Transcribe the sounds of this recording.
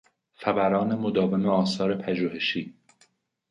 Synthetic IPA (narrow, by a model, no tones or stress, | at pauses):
xæbæɾɒːne̞mod̪ɒːve̞meɒːsɒːɾe̞pʰæʒuːhe̞ʃiː